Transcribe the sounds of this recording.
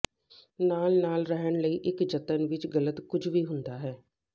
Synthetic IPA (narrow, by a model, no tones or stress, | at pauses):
naːlnaːlɾəɦəɳ̃ləiːʔɪkd͡ʒət̪ənʋɪt͡ʃɡələt̪kʊd͡ʒʱʋiːɦʊ̃nd̪aːɦɛː